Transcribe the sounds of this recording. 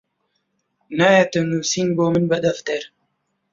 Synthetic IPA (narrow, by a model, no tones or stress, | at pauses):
najat̪ənuːsinboːmɨnbɐd̪ɐft̪eɾ